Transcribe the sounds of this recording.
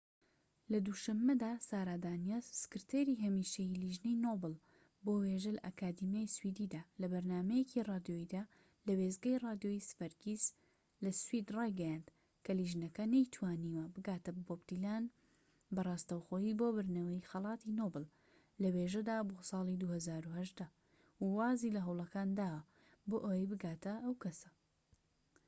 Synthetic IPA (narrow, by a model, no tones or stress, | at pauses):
lɐd̪uʃɐmːɐd̪aːsaːɾaːd̪aːnijazsɨ̥kɨɾt̪ʰeɾiɦɐmiːʃejliʒnejnoːbɨlˠ | boːweʒɐlɐʔɐkʰaːd̪imjaːjswid̪id̪aːlɐbɐɾnaːmɐjecʰirɑːd̪joid̪aː | lɐweːzɡɐjrɑːd̪jojisfɐɾɡiz | lɐswid̪rɑːjɡɐjaːnd̪̥ | kʰɐliʒnɐkɐnɐjt̪ʰwaːniːwɐbɨɡaːt̪ɐbbobt̪ilaːn | bɐrˤɑːst̪ɐwxoːjiboːbɨɾnɐwɐjxɐlˠɑːt̪ʰinobɨl | lɐweʒɐd̪aːbosɑːlˠid̪uhɐzaːɾuhɐʒd̪ɐ | wwaːzilɐɦɐwlˠɐkaːnd̪aːwɐ | boːʔowebɨɡaːt̪ɐʔɐwkɐsɐ̥